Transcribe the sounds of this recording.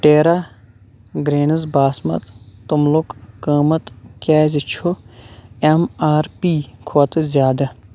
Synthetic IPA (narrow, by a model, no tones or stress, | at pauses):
ʈeːɾa | ɡɾeːnɐzbaːsmɐ̰t̪t̪umlukkəːmɐt̪kʲɛːzit͡ʃʰo | emaːɾpiːkʰoːt̪zʲjaːd̪ɐ